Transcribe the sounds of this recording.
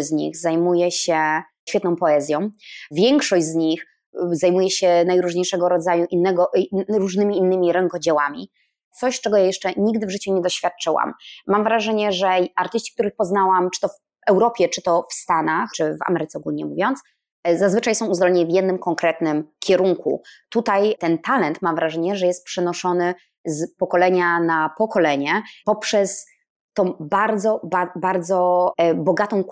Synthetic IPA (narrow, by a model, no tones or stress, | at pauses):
zɲḭxzajmujɛɕɛ | ɕfʲɛt̪nɔ̃w̃pɔɛzʲjɔ̃w̃vʲjɛŋkʂɔʑd͡ʑʲzɲix | zajmujɛɕɛnajɾuʐɲejʂɛɡɔɾɔd̪zajuʔinːɛɡɔʔɾuʐnɘmʲiːnːɘmʲiɾɛŋkɔd͡ʑɛwamʲḭ | t̪sɔɕt͡ʂɛɡɔjajɛʂt͡ʂɛɲiɡd̪ɘvʐɘt͡ɕuɲɛd̪ɔɕfʲjat̪̚t͡ʂɘwa̰mːamvɾaʐɛɲɛʐɛaɾt̪ɘɕt͡ɕi̥k̚t̪uɾɘxpɔznawamt͡ʂɘ̥t̪ɔf | ɛwɾɔpʲjɛt͡ʂɘt̪ɔfst̪anaxt͡ʂɘva̰mɛɾɘt̪sɛɔɡulɲɛmuvʲjɔnt̪s | zazvɘt͡ʂajsɔ̃w̃uzd̪ɔlɛɲɛvʲjɛd̪nɘmkɔŋkɾɛt̪nɘmkʲʰɛɾuŋkʰṵt̪ut̪ajt̪ɛnt̪alɛnt̪mamvɾaʐɛɲɛʐɛjɛst̪̚pʂɛnɔʂɔnɘ | zpɔkɔlɛɲanapɔkɔlɛɲɛpɔpʂɛs | t̪ːɔ̃w̃baɾd̪zɔbabaɾd̪zɔbɔɡat̪ɔ̃w̃